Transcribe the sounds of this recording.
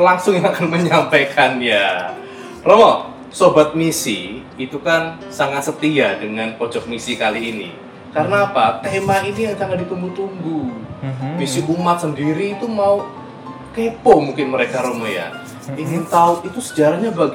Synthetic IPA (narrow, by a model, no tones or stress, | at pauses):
laŋsʊŋjaŋakanməɲampekanja | romɔ | sobat̪̚misḭ | it̪ukan | saŋat̪̚sət̪iadəŋanpɔd͡ʒɔk̚misikaliːnḭ | karnaːpat̪emainiaŋkaŋadit̪umbut̪umbu | b̥isiʔumat̪̚səndiɾiːt̪umau | kepɔmuŋkɪnməɾekaɾomɔja̰ | iŋɪnt̪aʊt̪̚it̪usə̥d͡ʒaɾahɲabaɡ